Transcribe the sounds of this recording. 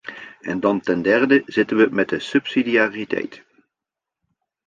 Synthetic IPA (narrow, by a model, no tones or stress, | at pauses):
ʔɛndɑntɛndɛrdəz̥ɪtənʋəmɛt̚dəsɵpsidiaːritɛ̰jt